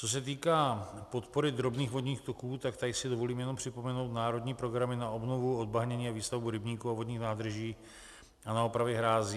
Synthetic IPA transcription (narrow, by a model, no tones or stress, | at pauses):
t͡so̞s̬ɛt̪̬iːkaːpo̞t̪po̞ɾɪd̪ɾo̞bniːxvo̞dɲiːxt̪o̞kuːt̪akt̪aɪsɪdovo̞liːmjɛno̞mpr̥ɪpo̞mɛnowt̪naːɾo̞d̪ɲiːpɾo̞ɡɾamɪnaobnovuo̞d̪̚baɦɲɛɲiːaviːst̪avbuɾɪbɲiːkuavodɲiːxnaːd̪r̩ʒiː | ʔanaopɾavjɛɦɾaːziː